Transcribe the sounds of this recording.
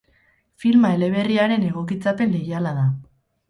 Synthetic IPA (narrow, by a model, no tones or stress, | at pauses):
filmae̞le̞β̞e̞riaɾe̞ne̞ɣ̞o̞kit͡sape̞nle̞jalaða